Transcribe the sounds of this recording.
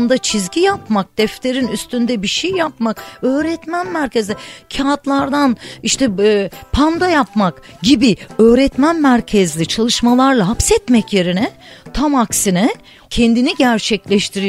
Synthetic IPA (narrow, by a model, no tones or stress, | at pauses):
nd̪at͡ʃʰizɟijapmak̚d̪̥ɛft̪ʰe̞ɾinyst̪ynd̪ɛbiʃejjapmakø̞ːɾɛt̪mænmæɾcʰezlʲicʰaat̪lˠaɾd̪aniʃt̪ʰɛpʰand̪ajapmakɟibiøːɾɛt̪mænmæɾcʰɛzlʲit͡ʃʰalˠɯʃmalˠaɾlˠaɦapsɛt̪mɛcje̞ɾinɛt̪ʰamaksinɛ | cʰɛnd̪iniɟæɾt͡ʃʰɛclʲɛʃt̪ʰiɾi